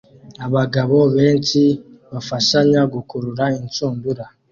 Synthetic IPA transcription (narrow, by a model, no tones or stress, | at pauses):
aβaɡaβoβeːnci | βafaʃaɲaɡukuɾuɾaint͡suːmbuɾa